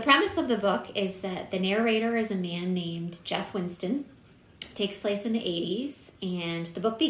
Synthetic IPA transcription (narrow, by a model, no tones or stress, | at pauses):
ðɨpʰɹ̥ɛmɨsʌvðɨbʊkʰɪzðɨt̪̚ðɨnɛɹeɪɾə˞ɨzɨmæ̃nːẽɪ̃md͡ʒɛfwɪ̃nstɨ̃n | tʰeɪkspʰl̥eɪsɨ̃nðiʔeɪɾiz̥ɨ̃nðɨbʊk̚b̥ɨ